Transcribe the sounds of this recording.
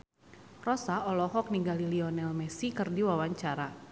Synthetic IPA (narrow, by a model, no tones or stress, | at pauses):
rɔsaɔlɔɦɔk̚niɡaliliɔnɛlmɛsikɨrdiwawaɲt͡ʃaɾa